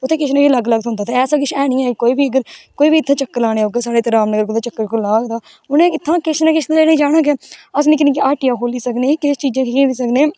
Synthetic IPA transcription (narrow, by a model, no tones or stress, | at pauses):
ʊt̪ʰːeːkɪʃnãkiləɡləɡ̪̚ɦʊ̃nd̪aːt̪eɛːsãːk̬ɪt͡ʃʰɛːɽ̃ɪːãːkoːiːbiːəɡəɾkoːiːbiːɪt̪ʰːãːt͡ʃəkːəɾlaːɽ̃eːoːɡeːsaːɽeːt̪əɾaːmnəɡəɾkʊt̪ãt͡ʃəkːəɾkʊlaːd̪aː | ʊnẽːɪt̪ʰːãːkɪʃnaːkɪʃleːnĩːd͡ʒaːɽãːkeəs̬nĩːknĩːkiaːʈijãːkoːliːsəkneːkɪst͡ʃiːd͡ʒẽːkkiːiːsəkneː